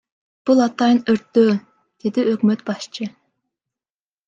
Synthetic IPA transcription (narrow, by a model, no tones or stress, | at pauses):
b̥ulˠɑt̪ɑjənøɾt̪ːøː | d̪̥ed̪iøkmøt̪bɑʃt͡ʃʰɨ